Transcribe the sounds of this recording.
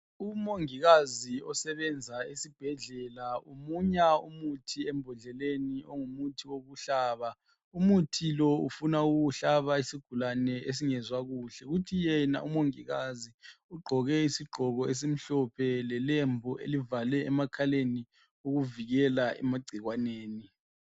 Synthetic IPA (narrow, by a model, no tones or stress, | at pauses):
umoŋiɣaziɔsɛβɛnd͡zʱaesib̥ʱɛɮɛlaomuɲaumutʰiɛmbʱɔɮɛlenioŋumutʰiwoɣuɬaːβa | umutʰilɔṵfunauɣuɬaβaisiɡ̥ʱulanɛʔes̬iŋɛzwaɣuːɬɛɣutʰijɛna̰ʔumoŋiɣaziuɡ͡ǃʱɔɣɛisiɡ͡ǃʱɔɣɔes̬em̩ɬɔpʰɛlɛlembʱuʔḛlivalɛɛmakʰaleni | uɣuviɣɛlaʔɛ̰maɡ͡ǀʱiɣwaneːni